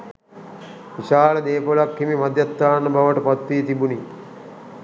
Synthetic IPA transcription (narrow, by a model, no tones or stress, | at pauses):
ʋiʃaːləd̪eːkolakːimimɐd̪jat̪ːaːnːɐbʱaʋəʈəpɐt̪ʋiːt̪ibuni